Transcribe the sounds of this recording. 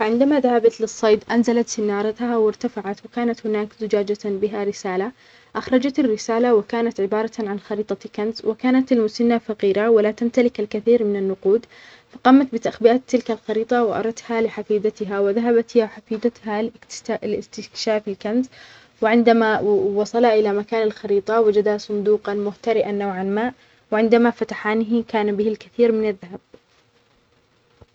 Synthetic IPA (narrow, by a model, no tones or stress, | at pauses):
faʕɪnd̪amaðahabat̪lɨsˤːɑjd̪ʔanzalat̪sɪnːɑːɾˤɑt̪hawɪɾt̪afaʕat̪wɪkaːnat̪hʊnaːkzʊd͡ʒaːd͡ʒabɪɦaɾɪsaːla | ʔaxɾˤɑd͡ʒat̪ɪrːɪsaːlawɪkaːnat̪ʕɪbɑːɾˤɑʕanxɑɾiːt̪ˤɑkanzwɪkaːnat̪almʊsanːafɑqiːɾawalat̪amt̪alɪkɪlkaθiːɾmɪnanːʊquːd̪ | fɑqɑːmat̪̚bɪt̪aʔxbɪʔaːt̪ːɪlkalxɑɾiːt̪ˤɑwɪʔɑ̰ɾˤɑt̪halɪħafiːd̪at̪ɪɦawɪðaɦabat̪awħafiːd̪at̪hallɪst̪ɪkʃaːfɪlkanz | wɪʕɪnd̪amawɑsˤɑlhaʔɪlamakaːnalxɑɾiːt̪ˤɑwɪd͡ʒad̪asˤʊnd̪uːqɑnmʊht̪aɾɪʔanːaːʕanmaːʔ | wɪʕɪnd̪amafat̪aħaːnɪɦɪkaːnbɪhɪlkaθiːɾmɪnaðːahab̚